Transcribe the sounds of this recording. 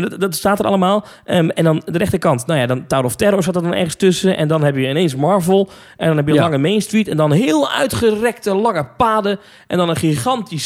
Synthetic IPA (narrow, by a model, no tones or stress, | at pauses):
dɔtstaːtəɾɑ̰lˠəmaːlˠəɛ̃ndɔndərɛxtəkɑntnawjadɔntawɾɔftɛrɾoɹsatɔdɔnɛ̰rɣənstøsəʔɛ̰ndɔnɦɛpjəɪneːnsmɔɹvəlˠ | ʔɛndɔnhɛpjəlɑŋəmeːnstʋitɛndɔnɦɪːlˠœ̰ɥtχərɛk̚təlɑŋəpaːdə | ʔɛ̰ndɔnəχiχɑntis